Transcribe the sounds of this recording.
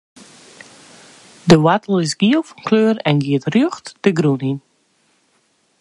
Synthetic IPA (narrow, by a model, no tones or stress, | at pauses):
dəwatəl̩ˠɪsɡiəlˠfɔnkløːɾɛnɡiətrjøxtdəɡɾunin